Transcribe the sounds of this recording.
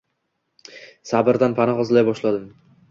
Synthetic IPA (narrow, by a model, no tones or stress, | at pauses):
sabɪɾd̪anpʰanaʁɒzlˠajbɒʃlˠad̪ɪm